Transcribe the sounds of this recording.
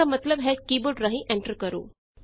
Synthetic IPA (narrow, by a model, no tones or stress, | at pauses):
amət̪ləbɦɛkiːboɖɾaɦĩʔeɳʈəɾkəɾṵː | k